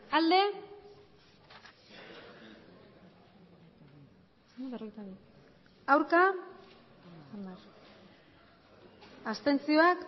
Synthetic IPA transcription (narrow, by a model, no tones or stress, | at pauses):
ald̪e̞ | sand̪aβero̞ɣejt̪aβi | awɾka | and̪ar | ast̪e̞nt͡sio̞ak